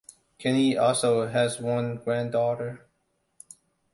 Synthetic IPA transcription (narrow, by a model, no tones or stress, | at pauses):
kʰɛ̃niʔɔlˠsoʊɨzwʌ̃nɡɹæ̃ndɔɾə˞